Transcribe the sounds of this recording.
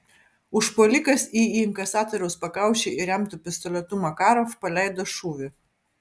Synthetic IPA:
ʊʃpoːlʲɪkɐsiːiːɪŋkɐsɑːt̪ɔɾʲɛʊspɐkɑˑʊʃʲeɪɾʲɛmt̪ʊpʲɪst̪ɔlʲɛt̪ʊmɐkɑːɾofpɐlʲæˑɪd̪oːʃuːʋʲɪ

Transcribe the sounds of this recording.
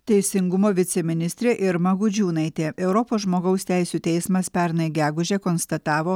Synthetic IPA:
t̪ʲɛɪsʲɪŋɡʊmoːʋʲɪt̪sʲɛmʲɪnʲɪsʲt̪ʲɾʲeːʔɪɾmɐɡʊd͡ʒʲuːnɐɪt̪ʲeːɛʊɾɔpoːsʒmoːɡɐʊsʲt̪ʲæɪsʲuːt̪ʲɛɪsmɐspʲɛɾnɐɪɡʲæːɡʊʒʲekonst̪ɐt̪ɑːʋoː

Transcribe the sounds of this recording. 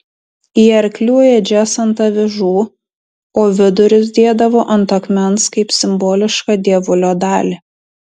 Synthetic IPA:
iːɐɾʲklʲuɔjɛd͡ʒʲæːsɐnt̪ɐʋʲɪʒuː | oːʋʲɪd̪ʊɾʲʊsd̪ʲeːd̪ɐʋoːʔɐnt̪ɐkmʲɛnskɐɪpsʲɪmboːlʲɪʃkɑːd̪ʲiɛʋʊlʲoːd̪ɑːlʲi

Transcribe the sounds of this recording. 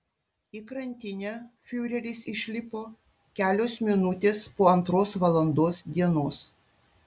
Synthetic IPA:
iːkɾɐnʲt̪ʲɪnʲæfʲuːɾʲɛlʲɪːsɪʃʲlʲɪpoː | kʲæːlʲoːsmʲɪnʊt̪ʲeːspoːɐnt̪ɾoːsʋɐlˠɐnd̪oːsd̪ʲiɛnoːs

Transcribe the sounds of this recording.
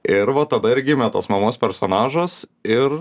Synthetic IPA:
ɪɾʋɐt̪ɐd̪ɐɪɾɡʲɪmʲɛt̪o̰ːsmɐmoːspʲɛɾsoːnɑːʒɐsɪr

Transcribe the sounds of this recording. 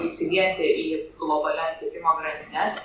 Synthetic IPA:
isʲɪʋʲiɛnʲt̪ʲɪʔiːɡlˠɔbɐlʲɛsʲt̪ʲiɛkʲɪmoːɡɾɐnd̪ʲɪnʲɛs

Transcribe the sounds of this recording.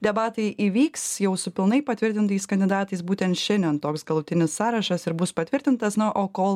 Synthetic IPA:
d̪ʲɛbɑːt̪ɐɪʔiːʋʲiːksjɛʊsʊpʲɪlˠnɐɪpɐt̪ʲʋʲɪɾʲt̪ʲɪnt̪ɐɪskɐnʲd̪ʲɪd̪ɑːt̪ɐɪsbuːt̪ʲɛnt̪ʃʲɛnʲd̪ʲɛnt̪oːksɡɐlˠʊt̪ʲɪnʲɪssɑːɾɐʃɐsɪɾbʊspɐt̪ʲʋʲɪɾʲt̪ʲɪnt̪ɐsnʊʔoːkoːlˠ

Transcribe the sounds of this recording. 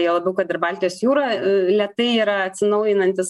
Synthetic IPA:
jɛlˠɐbʲɛʊkɐt̪ɪrbɑːlʲt̪ʲɪjoːsjuːɾɐlʲɛt̪ɐɪiːɾɐɐt̪ʲsʲɪnɐʊjɪnɐnʲt̪ʲɪs

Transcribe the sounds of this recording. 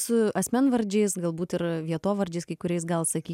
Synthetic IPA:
sʊɐsʲmʲɛnʋɐɾʲd͡ʒʲɛɪsɡɐlˠbuːt̪ɪɾʋʲiɛt̪oːʋɐɾʲd͡ʒʲɛɪskɐɪkʊɾʲɛɪsɡɐlˠsɐkʲiː

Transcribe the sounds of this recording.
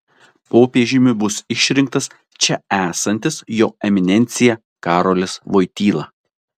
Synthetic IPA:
poːpʲiɛʒʲɪmʲʊbʊsɪʃʲɾʲɪŋk̚t̪ɐs | t͡ʃʲɛæːsɐnʲt̪ʲɪsjoːɛmʲɪnʲɛnʲt̪sʲɪjɛ | kɑːɾoːlʲɪsʋoːɪt̪ʲiːlˠɐ

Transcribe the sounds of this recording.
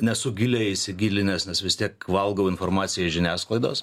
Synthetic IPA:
nʲɛsʊɡʲɪlʲɛːɪsʲɪɡʲiːlʲɪnʲeːsnʲɛsʋʲɪst̪ʲiɛkʋɐlˠɡɐʊɪnformɑːtsʲɪjɛɪʒʲɪnʲæːsklˠɐɪd̪o̰ːs

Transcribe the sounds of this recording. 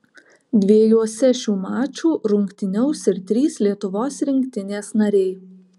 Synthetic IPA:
d̪ʲʋʲeːjuɔsʲɛʃʲuːmɑːt͡ʃʲuːɾʊŋʲkt̪ʲɪnʲɛʊsɪɾt̪ʲɾʲiːslʲiɛt̪ʊʋoːsɾʲɪŋʲkʲt̪ʲɪnʲeːsnɐɾʲɛɪ

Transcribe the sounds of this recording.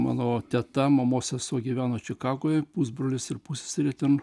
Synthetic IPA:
mɑ̰ːnoːt̪ʲɛt̪ɐmɐmoːsʲɛsoːɡʲiːʋʲæːnoːt͡ʃʲɪkɑːɡoːjpuːsbɾoːlʲɪsɪɾpusʲɪ̥sɪɾʲiɛt̪ʲɛn

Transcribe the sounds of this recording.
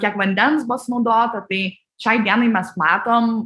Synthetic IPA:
kʲɛkʋɐnʲd̪ʲɛnsbʊsnɐʊd̪oːt̪ɐt̪ɐɪ | ʃʲɛɪd̪ʲiɛnɐɪmʲɛsmɑːt̪oːm

